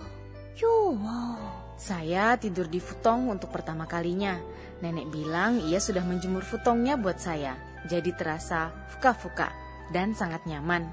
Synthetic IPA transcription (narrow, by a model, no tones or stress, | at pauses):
jowa | sajat̪idʊrdifut̪ɔŋunt̪ʊk̚pərt̪amakaliɲa | nɛnɛk̚bilaŋijasudahməɲd͡ʒəmʊrfut̪ɔŋɲabuat̪̚saja | d͡ʒadit̪əɾasa | fu̥kafuka̰ʔ | dansaŋat̪̚ɲaman